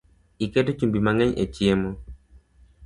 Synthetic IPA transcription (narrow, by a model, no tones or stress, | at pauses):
ikɛtot͡ʃumbimaŋɛɲḛt͡ʃjemo